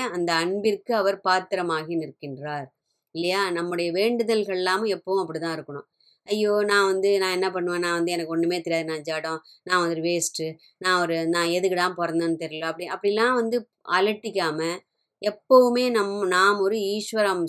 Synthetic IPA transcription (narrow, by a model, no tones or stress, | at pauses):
ɐnd̪ɐɐɳbɪɾkɯɐʋɐɾpaːt̪ːɪɾɐmaːɣinɪɾɯkːɪndɾaːɾ | ɪlːɐjaːnɐmːɯɽɐjɐʋeːɳɖɯðɐlɣɐɭɛlːaːmɛpːɐʋʊ̃ɐpːɐɽit̪ãːɪɾɯkːɐɳʊ̰̃ | ɐjːoːnãːʋɐnd̪ɯnãːɛnːɐp̬ɐɳːɯʋẽːnãːʋɐnd̪ɯɛnɐkːɔɳːɯmeːt̪ɪɾɪjaːðɯnãːd͡ʒaːɽõː | nãːʋɐnd̪ɯɾɯʋeːsʈɯ | nãːɔɾɯnãːɛðɯkɯɽãːmpɔɾɐnd̪aːnːɯt̪ɛɾɪjloɐpːɐɽɪɐpːɐɽɪlːãːʋɐnd̪ɯ | ɐlɐʈːɪkʲːaːmɐ | ɛpːɐʋɯmeːnɐmːɐnaːmɔɾɯiːʂʋɐɾam